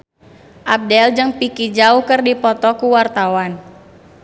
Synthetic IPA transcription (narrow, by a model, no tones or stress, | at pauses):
ʔab̚dɛld͡ʒəŋpikid͡ʒauhkərdipɔt̪ɔkuwart̪awan